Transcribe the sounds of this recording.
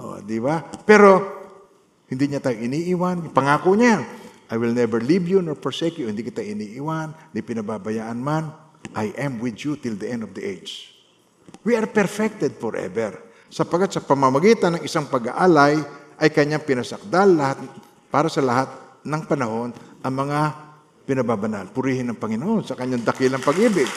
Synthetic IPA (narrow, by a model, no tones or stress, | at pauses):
ʔo̰d̪ibapɛɾo̞ | hɪnd̪iɲat̪aːjoʔɪniːʔiwanɪpɐŋaːkoɲaʔajwɪlnɛbɛɹlibjunoɹpoɹsɛkjuhɪnd̪ikɪt̪aʔɪniːʔiwand̪ɐjpɪnɐbabɐjaːʔɐnman | ʔajʔɛmwɪd̪jut̪ɪld̪ɐʔɛ̃nd̪ovd̪ɐʔejd͡ʒ | wiʔɐɾpɛɹfɛk̚t̪ɛd̪̚foɹʔɛ̰vɛɹ | sɐpɐɡkat̪sɐpɐmɐmɐɡiːt̪ɐnːɐŋɪsaŋpɐɡa̰ʔaːlajʔɐjkɐɲːaŋpɪnɐsɐk̚d̪alːɐhat̪̚ | paːɾɐsɐlɐhat̪̚ | nɐŋpɐnɐho̞nʔɐŋmɐŋa | pɪnɐbabɐnalpʊɾihɪnːɐŋpɐŋɪnoʔo̞nsɐkɐɲːaŋd̪ɐkɪlɐŋpɐɡʔiːbɪɡ̚